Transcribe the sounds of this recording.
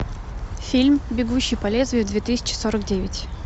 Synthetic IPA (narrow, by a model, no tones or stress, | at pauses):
fʲilʲmbʲɪɡuɕːɪjpɐlʲezvʲɪvd̪vʲet̪ɨsʲɪ̥t͡ɕɪ̥so̞ɾəkdʲevʲɪtʲ